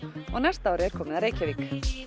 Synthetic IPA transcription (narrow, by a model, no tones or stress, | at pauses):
ɔɣnɛst̪awɾɪɛɾ̥kʰɔːmɪðaɾeːjcaviːk